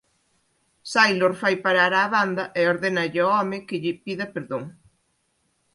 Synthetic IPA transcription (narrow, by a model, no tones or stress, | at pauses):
sajloɾfajpaɾaɾaːβand̪ɐʔeoɾðenɐʎɪɔɔmɪkɪʎɪpiðɐpeɾðoŋ